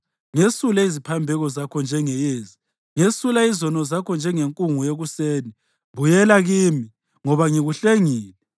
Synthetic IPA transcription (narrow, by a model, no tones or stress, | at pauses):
ŋesulaizipʰambʱɛɣɔzakʰɔnd͡ʒʱɛŋɛjeːzi | ŋesulaizɔnɔzakʰɔnd͡ʒʱɛŋeŋkʼuŋujeɣuseːni | bujɛlaɣiːmi | ŋɔβaŋiɣuɬeŋiːlɛ